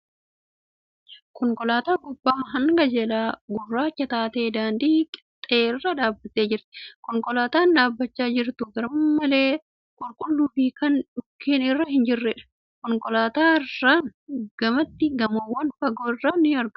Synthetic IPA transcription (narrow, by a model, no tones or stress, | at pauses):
kɔŋkʼɔlaːt̪aːɡʊbːaːɦɐŋɡɐd͡ʒɛlaːɡʊrːaːt͡ʃːɐt̪aːt̪eːd̪aːnd̪iːkʼɪ̥t̪ʼeːɪrːɐᶑaːbːɐt̪ːeːd͡ʒɪɾt̪ɛ̥kɔŋkʼɔlaːt̪aːnᶑaːbːɐt͡ʃːaːd͡ʒɪɾt̪ʊɡɐɾɐmːɐle̞ː | kʼʊlkʼʊlːubiːkɐnᶑʊkʰːiːnɪrːɐhɪnd͡ʒɪrːɛᶑɐ̥ | kɔŋkʼɔlaːt̪aːɪrːaːŋɡ̥ɐmɐt̪ːɪɡɐmɐwːɐnfɐɡoːɪrːaːnɪɐɾɡ